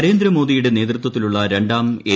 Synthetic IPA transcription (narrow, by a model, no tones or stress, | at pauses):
ɾe̞ːnd̪ɾɐmo̞ːðijuɽene̞ːt̪rɨt̪wɐt̪ːiluɭːɐɾe̞ɳɖaːme